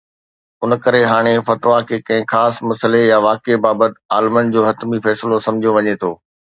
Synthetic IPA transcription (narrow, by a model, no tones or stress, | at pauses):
ʊnkɐɾeɦaːɽ̃efɐt̪ʋakʰeːkɐ̃ɦɪ̃xaːsmɐsəlejaʋaːkebaːbət̪ɪaːlmənd͡ʑoːɦɐt̪mifɛːsɪlosɐ̃md͡ʑʱijoʋɐɲet̪ʰoː